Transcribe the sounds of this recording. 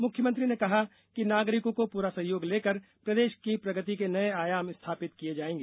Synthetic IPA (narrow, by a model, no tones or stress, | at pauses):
mʊkʰjəmə̃nt̪ɾinekɐɦa | kinaːɡɾɪkõkopuːɾasɐɦjoːɡleːkəɾpɾɐd̪eːʃkipɾɐɡət̪ikenɐeaːjaːmɪst̪ʰaːpɪt̪kied͡ʒaːẽːŋɡeː